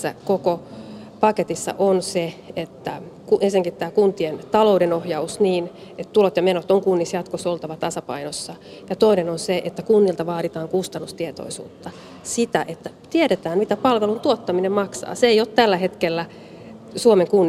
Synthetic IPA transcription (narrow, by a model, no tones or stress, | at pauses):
æ̰koko | pɑket̪isːɑ̰ʔonseet̪ːæ | kuʔensinæŋkit̪ːæːkunt̪ient̪ɑlo̞udenohjɑusniːn | et̪t̪ulot̪jɑmenot̪oŋkunːisjɑt̪kosolt̪ɑʋɑt̪ɑsɑpɑ̰inosːɑ | jɑt̪oinenonseʔet̪ːækunːilt̪ɑʋɑːɾit̪ɑːŋkust̪ɑnːust̪iet̪o̰isṵːt̪ːɑ | sit̪æʔet̪ːæt̪ieɾet̪æːnmit̪æpɑlʋelunt̪uot̪ːɑminemmɑksɑ̰ːseejot̪t̪ælːæɦet̪kelːæ | suomeŋkunː